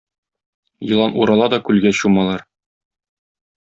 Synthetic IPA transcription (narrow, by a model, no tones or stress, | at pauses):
jɤ̆lˠɑnuɾɑlˠɑd̪ɒkʉlɡæɕumɑlˠɑɾ